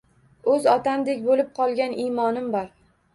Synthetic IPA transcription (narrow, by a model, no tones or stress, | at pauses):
ɵzɒt̪ʰamd̪ekʲbolɪp̚qʰɒlˠɡʲanijmɒnɪmbɒɾ